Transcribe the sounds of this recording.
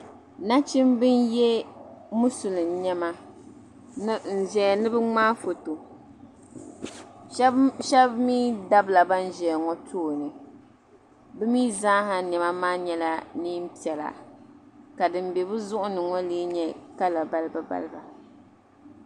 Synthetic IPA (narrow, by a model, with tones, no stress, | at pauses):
na˦t͡ʃɪ˦mbɨ˦njɛ˦mu˦su˨lɨ˨m˨ɲɛ˦ma˦ | n̩˨ʒɛ˨nɨ˦bɨ˦ŋ͡maː˦fo˨to˨˦ | ʃɛ˦bmiː˦da˦bla˨ba˦n˦ʒɛ˨ŋɔ˦tʰoː˦˨nɨ˨ | bɨ˦miː˦zaː˦ɦa˨nɛ˨ma˦maː˦ɲɛ˦la˦ni˦m̩˦pi˨ɛ˨la̰˨ | ka˨dɨ˨m˦bɛ˨bɨ˦zʊ˦ʔʊ˦nɨ˨ŋɔ˦liː˦ɲɛ˦ka˦la˨ba˦lɨ˦ba˨ba̰˦lɨ˦ba˨